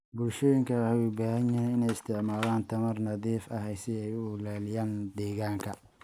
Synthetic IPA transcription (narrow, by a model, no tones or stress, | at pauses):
bʊlʃɔːjɪŋkʰɐħwibaːhɐɲɐnɪnɛjɪst̪ʰɪʕmaːlaːnt̪ʰɐmɐrnɐðiːfɐɦɛjsɪɛjʊʊlaːlɪjaːnd̪ɛːɣaːŋkʰɐ